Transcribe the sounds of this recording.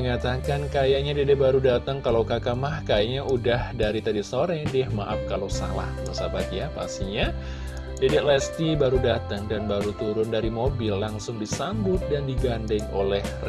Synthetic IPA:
məŋat̪akankajaʔɲadedɛbaɾudat̪aŋkalawkakamahkajaʔɲaʔudahdaɾit̪adisoɾɛdɛhmaʔap̚kalowsa̰la̰hməsabat̪̚japa̰st̪iɲa | dedɛʔlɛst̪ibaɾudat̪əŋdanbaɾut̪uɾʊndaɾimobɪlːaŋsʊŋdisambʊt̪̚dandiɡandɛŋolɛhr

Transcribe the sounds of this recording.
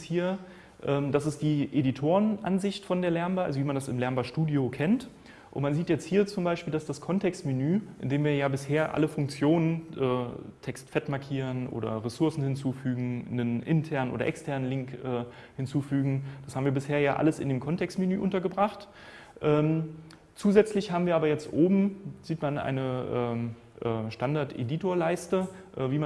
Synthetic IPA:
shiːɐ | ʔɛːmdasɪsd̥iːʔeditʰoːʁənʔa̰nzɪçtfɔndeːɐlɛɐmbaɐalzoviːmandasɪmlɛɐmbaʃtuːdjokʰɛnt | ʔʊntmanziːtjɛt͡sthiːɐt͡sʊmbaɪʃpiːldasd̥askʰɔntʰɛkstmenyːʔɪ̰ndeːmviːɐjaːbɪsheːɐʔa̰ləfʊŋk̚t͡sjoːnənʔɛːtʰɛkstfɛtmaɐkʰiːʁənʔo̰ːdɐ̰ʁesʊɐsn̩hɪnt͡suːfyːɡŋ̩nənʔɪ̰ntʰɛɐnənʔo̰ːɾɐ̰ʔɛ̰kstʰɛɐnənlɪŋkʔɛː | hɪnt͡suːfyːɡŋ̩d̥ashaːbmviːɐbɪsheːɐjaːʔa̰ləsɪ̰ndeːmkʰɔntɛkstmenyːʔʊntɐɡəbʁaχt | ʔɛːm | t͡suːzɛt͡slɪçhaːbm̩viːɐaːbɐjɛt͡stʔoːbm̩ziːtmanʔa̰ɪnəʔɛːm | ʔɛːʃtandaɐtʔḛditoːɐlaɪstə | ʔɛːviːm

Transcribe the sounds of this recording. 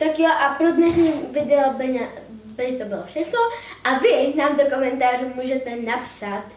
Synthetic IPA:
t̪akjoʔapɾod̪nɛʃɲiːmvɪdɛobɛɲa | bɛɲt̪obɪlofʃɛxno | ʔavɪnaːmdokomɛnt̪aːruːmuːʒɛt̪ɛnapsat̪

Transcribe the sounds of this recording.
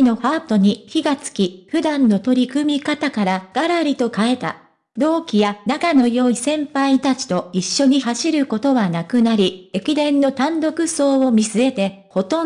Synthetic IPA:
no̞ɸaːt̪o̞ɲ̟içiɡat͡sɨ̥kʲiɸɯ̟d̪ãnːo̞t̪o̞ɾʲikɯ̟mʲikat̪akaɾaɡ̥aɾaɾʲit̪o̞kae̞t̪a̰ | d̪o̞ːkʲijanakano̞jo̞ːisẽ̞mpait̪at͡ɕi̥t̪o̞iɕːo̞ɲ̟iɦaɕiɾɯ̟ko̞t̪o̞βanakɯ̟naɾʲie̞kʲid̪ẽ̞nːo̞t̪ãnd̪o̞kɯ̟so̞ːo̞mʲisɨe̞t̪e̞ | ho̞t̪õ

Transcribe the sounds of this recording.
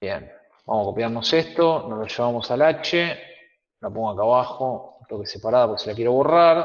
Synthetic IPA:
bjḛn | ba̰msakopjaɾnoseht̪onosloʃeβamo̞salat͡ʃe | lapoŋɡoakaβaxot̪okesepaɾaðapoɾkeselakjeɾoβo̞raɾ

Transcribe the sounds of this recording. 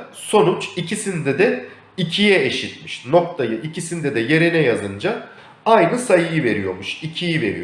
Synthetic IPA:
so̞nut͡ʃicʰisind̪ɛd̪ɛ | icʰijɛeʃit̪miʃno̞k̚t̪ʰajɯʔicʰisind̪ɛd̪ɛje̞ɾinɛjazɯnd͡ʒa | ajnɯsajɯjɯve̞ɾḭjo̞̰ɾmuʃicʰijive̞̰ɾḭj

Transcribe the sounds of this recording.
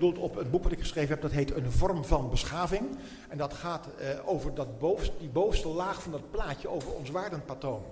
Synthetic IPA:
dulˠtɔpənbukʋɑtɪkχə̥sχrejvənɦɛp̚dɑtɦejtənvɔrmvɑnbəsχaːvɪŋ | ɛndɑtχaːtowvəɹdɑtbowsdibowstəlaːχfɑndɑt̚plaːcəowvəɹɔ̰nsʋaːɹdənpatown

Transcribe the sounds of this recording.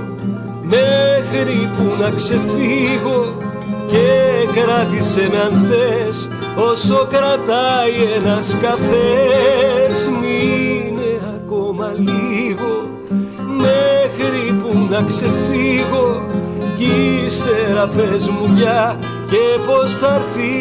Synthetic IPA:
mexɾipunɐkse̞fiɣo̞ | ce̞kɾɐt̪ise̞nɐnθes | o̞so̞kɾɐt̪ɐienɐskɐfe | zmine̞ɐko̞mɐliɣo̞ | mexɾipunɐkse̞fiɣo̞cist̪e̞ɾɐpe̞zmuʝɐ | ce̞po̞stɐɾθi

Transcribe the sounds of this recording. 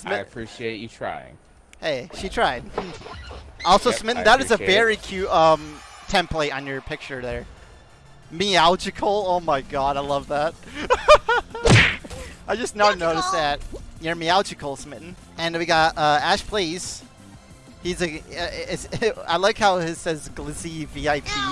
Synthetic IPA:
smɪɨpʰɹ̥iʃieɪt͡ʃɨtʰɹ̥a̰ɪɪ̰̃ŋ | heɪʃitʰɹ̥aɪd̚mm̩ | ɔlˠsoʊsmɪtn̩ðəɾɨzɨvɛɹikʰj̥ʉtʌ̃mtʰɛ̃mpleɪɾn̩jə˞pʰɪk̚t͡ʃə˞ðə˞ | mialˠd͡ʒɨkʰl̩ˠoʊmaɪɡɑɾaɪlʌvðæt̚ | aɪd͡ʒʌsnəʊnoʊɾɨsðɨt̚jə˞mialˠd͡ʒɨkʰl̩ˠsmɪʔn̩ | ɨ̃nwiɡɑtʌæʃpʰl̥is | hizɨʌɪsa̰ɪlaɪkhaʊɪsɛzɡlɪziviaɪpʰi

